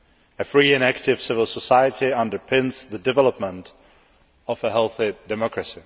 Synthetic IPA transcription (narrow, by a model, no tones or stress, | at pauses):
ɨfɹiɪ̃næktɪv̥sɪvəl̩ˠsəsaɪətiʌ̃ndə˞pʰɪ̃nzðədɨvɛləpmə̃nt | ɔvəɦɛlˠθidɛmɔkɹɨsi